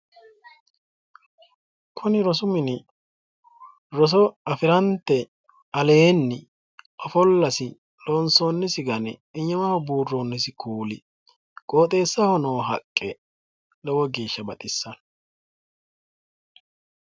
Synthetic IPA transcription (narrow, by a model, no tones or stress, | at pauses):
kʰʊnɪɾɔsʊmɪnɪ | ɾɔs̬ɔɐfɪɾɐnt̪ːɛ | ɐleːnːɪ | ʔɔfɔlːɐsɪ | lɔːnsoːnːɪsɪɡɐnɛɪɲːɐmɐhɔbuːrːoːnːɪsɪkʰuːlɪ̰ | kʼo̞ːt̪ʼe̞ːsːɐhɔnoːɦɐkʼːɛ | lɔwɔɡeːʃːɐbɐt̪ʼɪsːɐn